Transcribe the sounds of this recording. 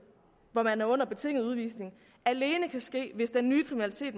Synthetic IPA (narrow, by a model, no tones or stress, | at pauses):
ʋɒmænæɐɔ̽n̰ɐb̥e̝t͡sʰe̝ŋ̰ð̩ˠuð̞ˠʋḭːsne̝ŋ | æle̝ːnəkʰæsɡ̥e̝̰ːʋe̝sd̥ænːyːkʰʁiminælit͡sʰe̝̰ːd̥